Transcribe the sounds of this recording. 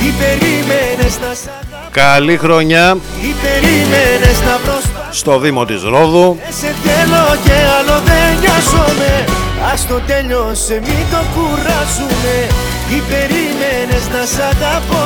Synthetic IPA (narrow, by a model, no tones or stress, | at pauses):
ipeɾimeneznɐ | kɐlixɾo̞ɲɐipeɾimeneznɐpɾosst̪o̞ðimo̞t̪izɾoðuset̪eloceɐloðeɲosomeɐst̪ot̪eʎosemint̪okuɾɐsume | ipeɾimeneznɐsɐt̪ɐpo